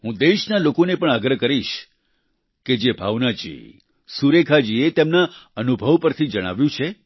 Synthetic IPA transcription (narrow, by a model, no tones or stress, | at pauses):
ɦũd̪eʃnalokonepəɳ̃aɡɾəkəɾiʃ | ked͡ʒebʱaʋnad͡ʒḭ | suɾekʰad͡ʒiet̪emnaənubʱəʋpəɾt̪ʰid͡ʒəɽ̃a̰ʋjũt͡ʃʰe